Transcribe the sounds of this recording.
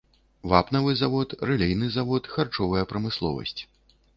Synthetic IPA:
vapnɐvɨzavɔt̪rɛlʲɛjnɨzavɔt̪xart͡ʂɔvɐjɐpɾɐmɨslˠɔ̰vɐ̰sʲt͡sʲ

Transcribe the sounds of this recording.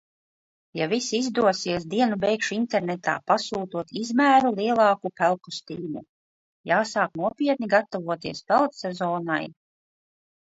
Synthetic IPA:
javisiizd̪uɔsiɛs̬d̪iɛnubɛjkʃuint̪eɾnɛt̪a̰ːpasuːt̪uɔt̪izmæːɾulˠiɛlˠɑːkupælˠkust̪iːnṵ | jaːsaːknuɔpʲiɛt̪̚niɡat̪ɔvuɔt̪iɛspɛlˠt̪sɛzɔːna̰j

